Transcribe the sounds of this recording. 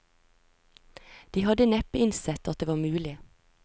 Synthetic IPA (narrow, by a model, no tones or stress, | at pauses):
d̪̥iːhɑd̪ənɛpəɪnsɛt̪ʰɑt̪̚d̪eːʋɑːmʉːlɪ